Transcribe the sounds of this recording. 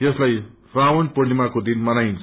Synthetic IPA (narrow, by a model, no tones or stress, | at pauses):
eslajsrawonpʌnimakod̪inmʌnajnt͡sʰ